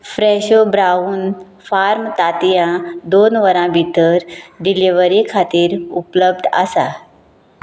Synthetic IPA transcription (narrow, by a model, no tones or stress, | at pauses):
fɾɛɕobɾauːn | faɾmt̪at̪ijãd̪onʋəɾãbʱit̪əɾɖiliʋəɾikʰat̪iːɾupləb̚d̪ʱə̰sa